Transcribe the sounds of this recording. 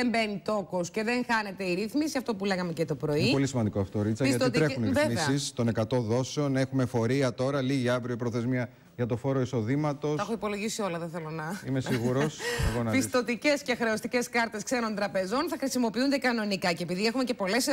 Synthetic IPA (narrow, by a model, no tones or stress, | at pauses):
embe̞nit̪o̞kosce̞ðe̞ŋxɐne̞t̪e̞iɾiθmisiɐft̪o̞puleɣɐmecet̪o̞pɾo̞ipo̞lisimɐnd̪ikoɐft̪oɾit͡sɐisʝɐt̪oit̪ɾeuniɾimisɐist̪o̞ne̞kɐt̪o̞ðo̞seo̞ne̞xume̞fo̞ɾiɐt̪o̞ɾɐliʝiɐvɾioipɾoθe̞zmiɐ | ʝɐt̪o̞fo̞ɾo̞iso̞ðimɐt̪o̞sɐxoipo̞lo̞ʝisio̞lɐðeθelonɐimesiɣuɾoseɣonɐpist̪o̞t̪ice̞scexɾe̞o̞st̪ice̞skɐɾt̪e̞skse̞no̞nt̪ɾɐpe̞zo̞nθɐxɾisimo̞piund̪ekɐno̞nikɐcepiðiexume̞ce̞po̞le̞s